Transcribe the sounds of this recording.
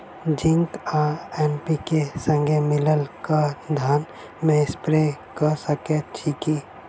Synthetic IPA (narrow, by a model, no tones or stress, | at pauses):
d͡ʒɪ̃ŋkaɛːnpikesə̃ŋɡʱemɪləlkad̪ʱaːn | mẽɪspɾekəsəket̪̚t͡ʃʰiki